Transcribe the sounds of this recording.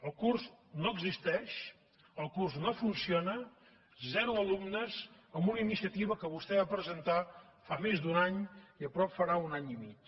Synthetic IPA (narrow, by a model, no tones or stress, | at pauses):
əlˠkurznoəɡzist̪ɛʃ | əlˠkurznofunsionə | zɛɾuəlumnəz | əmbunəinisiət̪iβ̞əkəβ̞ust̪ɛβapɾəzənt̪afamezd̪unaɲiəpɾɔpfəɾaunaɲimit͡ʃ